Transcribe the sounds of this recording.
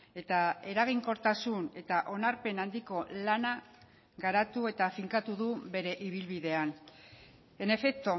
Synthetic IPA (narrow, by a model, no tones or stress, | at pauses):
e̞t̪ae̞ɾaɣ̞iŋko̞ɾt̪asune̞t̪aʔo̞naɾpe̞nand̪iko̞lana | ɣaɾat̪ue̞t̪afiŋkat̪uðuβe̞ɾe̞ʔiβ̞ilβiðe̞an | e̞ne̞fe̞k̚t̪o̞